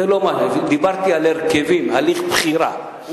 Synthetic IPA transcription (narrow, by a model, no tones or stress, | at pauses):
elomaed̪ibaɾt̪ialeɾkevimhaliχpχiɾa̰